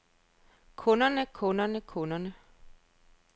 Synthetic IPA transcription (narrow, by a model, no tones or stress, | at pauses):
kʰɔnɐnəkʰɔ̽nɐnəkʰɔnɐnə